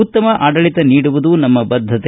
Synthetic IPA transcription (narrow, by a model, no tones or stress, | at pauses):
utt̪ːɐmɐʔaːɖɐɭit̪ɐniːɽuʋud̪unɐmːɐbɐd̪ʱːɐt̪e